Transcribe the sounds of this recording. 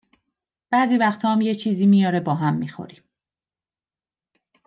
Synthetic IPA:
b̥æːziːvæxt̪ʰɒːmjet͡ʃʰiːziːmijɒːɾe̞bɒːɦæmːiːxo̰ɾim

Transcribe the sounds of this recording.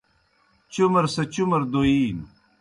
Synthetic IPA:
t͡ɕumɐɾsɐt͡ɕumɐɾd̪oiːn

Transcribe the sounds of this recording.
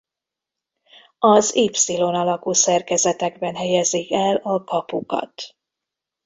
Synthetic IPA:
ɒziːpsilo̞nɒlɒkuːsɛrkɛzɛt̪ɛɡbɛnɦɛjɛzikɛlɒkɒpukɒ̰t̪

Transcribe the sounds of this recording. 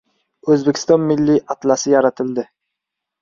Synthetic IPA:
ɵzbekʲʰɪ̥st̪ɒnmɪlːiʔat̪lasɪjaɾat̪ʰɪld̪ɪ

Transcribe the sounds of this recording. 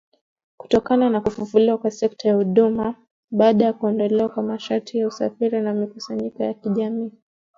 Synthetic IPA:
ku̥tɔkananakufufuliwakwasɛk̚tʰajahuɗuma | ɓaːɗajakuɛndɔlɛwakwamaʃaɾtʰijausafiɾinamikusaɲikɔjakiʄamiː

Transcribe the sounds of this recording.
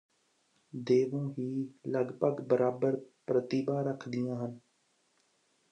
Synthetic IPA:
d̪eːʋõːɦiːləɡpəɡbəɾaːbəɾpɾət̪iːbãːɾəkʰd̪ɪjãːɦən

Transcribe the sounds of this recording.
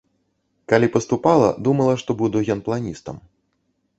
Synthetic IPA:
kalʲipɐst̪upalˠɐ̰d̪umɐlˠɐʂt̪ɔbud̪uɣʲɔnplˠanʲist̪ɐ̰m

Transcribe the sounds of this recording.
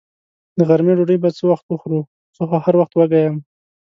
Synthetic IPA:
d̪əɣaɾmeɖoɽəjbat͡səwaxt̪wəxɾu | t͡soxahaɾwaxt̪waɡajam

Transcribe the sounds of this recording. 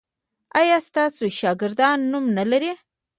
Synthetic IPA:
ɑjɑst̪ɑsoʃɑɡɪɾd̪ɑnːumnalaɾi

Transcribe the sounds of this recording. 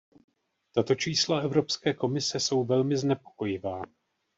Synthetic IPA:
t̪at̪o̞t͡ʃiːslaɛvɾo̞pskɛːko̞mɪsɛso̞wvɛlmɪznɛpo̞̥ko̞jɪvaː

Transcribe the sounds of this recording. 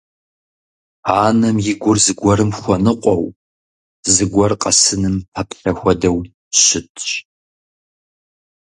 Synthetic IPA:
aːnɐmjɪɡʷʊrzɨɡʷɔɾɨmxʷɐnɨqʷʼɔw | zɨɡʷɔrqʼɐsɨnɨmpʰɐpʰʼɬɐxʷɔdɐw | ɕɪtʰʼɕʼ

